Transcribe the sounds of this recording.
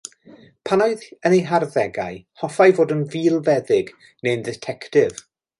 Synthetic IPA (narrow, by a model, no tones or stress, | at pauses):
pʰanaɨðənejɦarðɛɡa̰jhɔfajvoːdənviːlˠvɛðɪɡ | nendɪtʰɛktɪv̥